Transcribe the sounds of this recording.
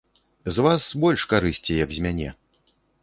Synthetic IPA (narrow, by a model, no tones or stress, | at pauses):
zvasbɔlʲʂkaɾɨsʲt͡sʲijɐkzʲmʲanʲɛ̰